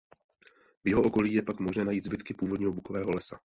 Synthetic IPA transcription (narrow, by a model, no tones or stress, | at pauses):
vjɛɦo̞ʔo̞ko̞liːjɛpakmo̞ʒnɛːnajiːd̪zbɪt̪kɪpuːvo̞dɲiːɦobuko̞vɛːɦo̞lɛsa